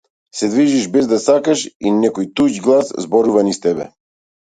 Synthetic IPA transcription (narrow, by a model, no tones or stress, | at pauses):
sɛd̪viʒiʃbɛzd̪asakaʃinɛkɔjt̪uɟɡlˠaszbɔɾuvanist̪ɛbɛ̰